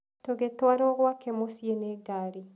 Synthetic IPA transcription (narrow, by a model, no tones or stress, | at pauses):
toɣetwaɾoɣwakemosieneɡaɾi